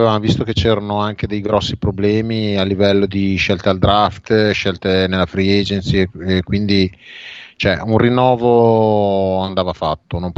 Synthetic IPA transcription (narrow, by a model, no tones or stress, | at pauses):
evamovist̪oket͡ʃɛːɾanoaŋk̟ed̪ejɡɾɔsːipɾoblɛːmialːivɛlːod̪iʃɛlt̪eald̪ɾaft̪ʃɛlt̪enelːafɾied͡ʒent̪siekːwind̪i | t͡ʃoɛunrinːɔːvo | and̪aːvafat̪ːonomp